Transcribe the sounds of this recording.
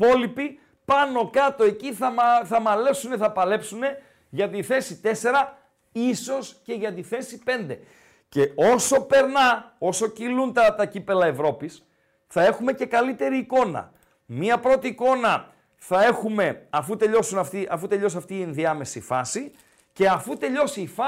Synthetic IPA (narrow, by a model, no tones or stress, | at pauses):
po̞lipi | pɐno̞kɐt̪o̞e̞ciθɐθɐmɐle̞suneθɐpɐle̞psune̞ | ʝɐt̪iθe̞sit̪ese̞ɾɐ | iso̞sce̞ʝɐt̪iθe̞sipe̞nd̪e̞ | ce̞o̞so̞pe̞ɾnɐo̞so̞cilunt̪ɐt̪ɐcipe̞lɐe̞vɾo̞pis | θɐe̞xume̞ce̞kɐlit̪e̞ɾiːko̞nɐ̰ | miɐpɾo̞t̪iːko̞nɐ | θɐe̞xume̞ɐfut̪e̞ʎo̞sunɐft̪iʔɐfut̪e̞ʎo̞sɐft̪iːenðiɐme̞sifɐsi | ce̞ɐfut̪e̞ʎo̞siːfɐ